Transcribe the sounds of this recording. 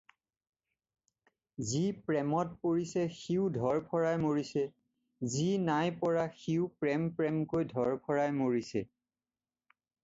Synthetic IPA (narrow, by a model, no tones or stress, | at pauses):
zipɹɛmɔt̚poɹisɛxiʊdʱɔɹpʰɔɹajmoɹisɛ | zinajpɔɹaxiʊpɹɛmpɹɛmkojdʱɔɹpʰɔɹajmoɹisɛ